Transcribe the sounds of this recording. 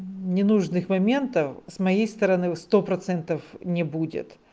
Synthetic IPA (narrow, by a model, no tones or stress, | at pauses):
nʲɪnuʐnɨxmɐmʲe̞nt̪əfsmɐjejst̪əɾɐnɨst̪opɾɐt̪sɛnt̪əfnʲɪbudʲɪ̰t̪